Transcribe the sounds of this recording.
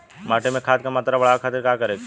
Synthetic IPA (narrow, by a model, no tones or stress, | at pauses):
maːʈemẽkʰaːt̪̚kamɐt̪ɾabɐɽakʰət̪əɾkaːkɐɾeːk